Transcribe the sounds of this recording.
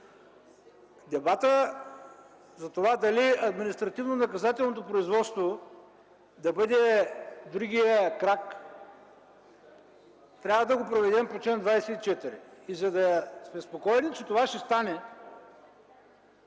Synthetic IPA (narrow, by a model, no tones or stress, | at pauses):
d̪ɛbat̪ə | zɐt̪ovad̪ɐliɐd̪minist̪ɾɐt̪ivnonɐkɐzat̪ɛlˠnot̪opɾoizvɔt̪st̪vo | d̪ɐbɤd̪ɛd̪ɾuɡ̟ijəkɾak | t̪ɾʲavɐd̪ɐɡopɾovɛd̪ɛmpot͡ʃɛnd̪vajsɛt̪it͡ʃɛt̪iɾiizɐd̪ɐsmɛspokɔjɛnit͡ʃɛt̪ovaʃɛst̪anɛ